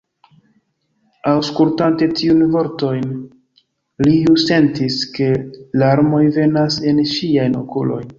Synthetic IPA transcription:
awskultante̞tʰiunvo̞ɾto̞jn | lijuse̞ntiske̞laɾmo̞jve̞nase̞nʃiajno̞̰kulo̞̰j

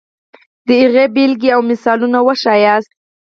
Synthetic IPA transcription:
d̪̥əiɣebilɡiawmɪsɑlunawəʃɑjɑs

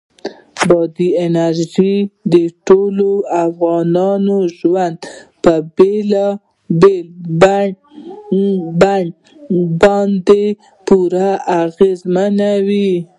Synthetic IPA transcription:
bɑd̪ienaɾʒid̪əʈoloafɣɑnɑnoʒwand̪pəbel | bel | a | bɑnd̪e | puɾaʔaɣezmanawi

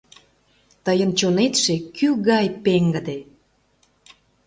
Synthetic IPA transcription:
t̪əjənt͡ɕonet̪ʃekyɣɑjpeŋɡə̆d̪e

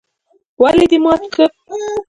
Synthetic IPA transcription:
waled̪imɑt̪kʰə

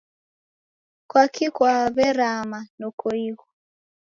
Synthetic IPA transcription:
kwakʰikwaβɛɾamanɔkoiɣɔ

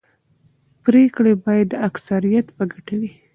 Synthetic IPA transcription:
pɾekɽebɑjad̪ːəaksaɾijat̪bəɡaʈawi

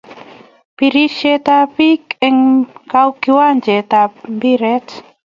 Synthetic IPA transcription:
piɾiʃet̪apikeŋkawkiwand͡ʒet̪abiɾet

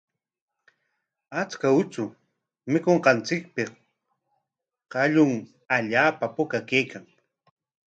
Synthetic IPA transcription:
at͡skaʊt͡ʃʊ | mɪkoɴqɑnt͡sɪk̚pɪ | qɑʎʊŋ | aʎaːpapʊkakejkaŋ

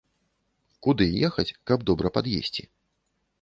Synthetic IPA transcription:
kud̪ɨjɛxɐt͡sʲkɐbd̪ɔbɾɐpad̪jḛsʲt͡sʲḭ

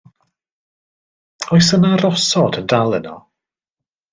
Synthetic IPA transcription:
ɔjs̬ənarɔsɔdəndalˠənɔ̰

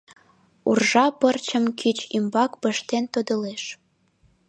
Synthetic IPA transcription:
ṵrʒɑpərt͡ɕəmkʰit͡ɕimbɑkbəʃt̪ent̪od̪ə̆leʃ

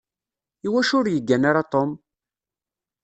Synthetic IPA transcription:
iwæʃʊɾjəɡːænaɾat̪ˤom

